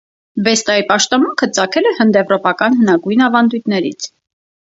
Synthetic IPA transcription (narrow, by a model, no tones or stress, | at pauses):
vɛst̪ɑipɑʃt̪ɔmuŋkʰət͡sɑkʰɛlɛhənd̪ɛvɾɔpɑkɑnɦənɑɡujnɑvɑnd̪ujt̪nɛɾḭt͡sʰ